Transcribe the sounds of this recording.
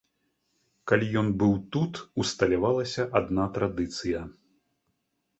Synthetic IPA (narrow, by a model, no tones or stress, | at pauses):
kalʲijɔnbɨwt̪ut̪ust̪ɐlʲavalˠɐsʲɐʔad̪nat̪ɾad̪ɨt̪sɨjɐ